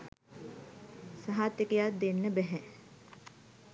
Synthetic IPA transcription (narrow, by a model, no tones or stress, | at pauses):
saɦat̪ːekejat̪̚d̪enːəbɛɦɛ